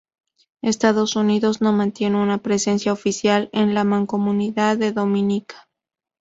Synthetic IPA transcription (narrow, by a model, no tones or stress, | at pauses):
e̞st̪aðo̞suniðo̞zno̞mãnt̪je̞neunapɾe̞se̞nsjaofisjalenlamãŋko̞muniðaðe̞ðo̞mĩnikḁ